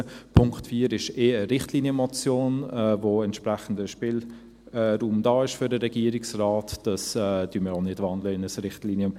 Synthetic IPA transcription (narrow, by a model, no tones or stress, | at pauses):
pʰʊŋktfiːəɾɪʃeːəɾɪχtliːnjəmɔt͡sjoːnɛvoɛntʃpɾɛχən̩dəʃpɪlː | ɾuːmdɑːɪʃfødəɾɛɡ̥iːəɾɪksraːtd̥ɑsɛd̥yməɾɔnɪdvɑndləɪnəsɾɪχtliːnjə